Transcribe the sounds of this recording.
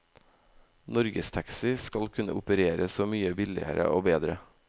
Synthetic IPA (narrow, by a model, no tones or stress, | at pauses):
nɔɾɡəst̪ʰɑksɪskɑlkʰʉnə̰ʊpəɾeːɾəsoːmyːəbɪlɪ̰ə̰ɾə̰ʔoːbeːd̪ɾə